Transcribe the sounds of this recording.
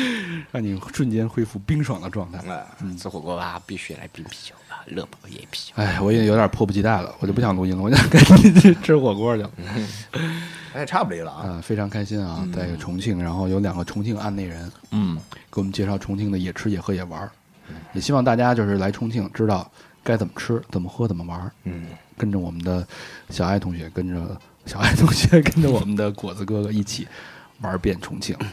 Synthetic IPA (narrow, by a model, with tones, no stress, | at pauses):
ɻɑ˥˩ŋni˨˩ʂwə˥˩nt͡ɕjɛ˥nxwe˥ɪfu˥˩pi˥ŋʂwɑ˨˩ŋd̪ə˦ʈ͡ʂwɑ˥˧ŋt̪ʰa˥˩˧n̩˥˩˥xwɔ˨˩kwɔ˥ba˧˥pi˥˩ɕy˥˧˩la̰˧˥ɪpi˥ŋpʰi̥˧˩o˧˩ʊba˩lɤ̰˥˧pʰjɛ̰˧˩pʰi̥˨˩˧a˥˩ɪwɔ˨˩˥jo˧˥ʊd̪ʲjpʰɔ˥˧pu˩t͡ɕʰi˧˥t̪a˥˩ɪlə̰˩wt͡ɕo˥˩˧pːɕɑ˨˩ŋt̪ʰʊ˥ɕi˥lə˨wɔ˧˩˥ka˥˩ni˧˩˥ʈ͡ʂʰɻ̩˥xwɔ˨˩kwɔ˥lə˨˩˥ | ʈ͡ʂʰa˥˩bu˩li˧˥lə˧˨˧ə˥˧fe˥ɪʈ͡ʂʰɑ˧˥ŋkʰa˥ɪɕi˥na˧˩t͡sa˥˧ɪ˥˩ɡə˨˩ʈ͡ʂʰʊ˧˥ŋt͡ɕʰi˥˩ŋɻa˧˥nxo˥˩ʊjo˧˥ʊljɑ˨˩ŋɡə˦ʈ͡ʂʰʊ˧˥ŋt͡ɕʰi˥˧ŋa˥˧nne˥˩ɪɻə˧˥nn̩˥˩kə˥nwm˦t͡ɕjɛ˥˧ʂɑ˥˩ʊʈ͡ʂʰʊ˧˥ŋt͡ɕʰi˥˩ŋd̪ə˩jɛ˨˩ʈ͡ʂʰɻ̩˥jɛ˨˩xɤ˧˥jɛ˨˩wɐ˞˧˥ | jɛ˨˩ɕi˥wɑ˥˧ŋt̪̬a˥˩t͡ɕja˥t͡ɕjo˥˧ʂɻ̩˥˩la˧˥ɪʈ͡ʂʰʊ˥ŋt͡ɕʰi˥˩ŋʈ͡ʂɻ̩˥t̪ɑ˥˩ʊka˥ɪt͡sə˨˩mə˦ʈ͡ʂʰɻ̩˥t͡sə˨˩mə˦xɤ˥t͡sə˨˩mə˦wɐ˧˥˩kə˥nʈ͡ʂə˧wɔ˨˩mə˦nd̪ə˧ɕjɑ˨˩a˥˩ɪt̪ʰʊ˧˥ŋɕɥɛ˧˥kə˥nʈ͡ʂə˧ | ɕjɑ˨˩ʊa˥˩ɪt̪ʰʊ˧˥ŋɕɥɛ˧˥kə˥nʈ͡ʂə˧wɔ˨˩mə˦nd̪ə˧kwɔ˨˩d͡zɹ̩˧˥kɤ˥ɡi˥˩t͡ɕʰi˨˩˦wɐ˧˥pjɛ˥˩nʈ͡ʂʰʊ˧˥ŋt͡ɕʰi˥˩ŋ